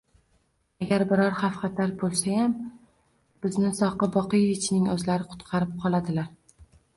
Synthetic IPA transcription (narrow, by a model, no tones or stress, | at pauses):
aɡʲaɾbɪɾɒɾhafχɑt̪ʰaɾbolˠsajam | b̥ɪznɪsɒqɨbɒqɨjevɪt͡ʃʰnɪŋɵzlaɾɪqʰʊ̥t̪qʰɑɾɪp̚qʰɒlˠad̪ɪlaɾ